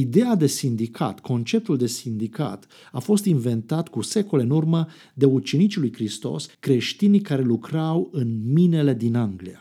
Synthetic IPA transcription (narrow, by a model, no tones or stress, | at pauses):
id̪e̞ad̪e̞sind̪ikʰa̰t̪kʰo̞nt͡ʃe̞p̚t̪uld̪e̞sind̪ika̰t̪ | afo̞st̪invent̪at̪kuse̞ko̞le̞ɨnurmə | d̪e̞ut͡ʃe̞nit͡ʃilujkɾist̪o̞̰skɾe̞ʃt̪inikaɾe̞lukɾawɨnmine̞le̞d̪inaŋɡlia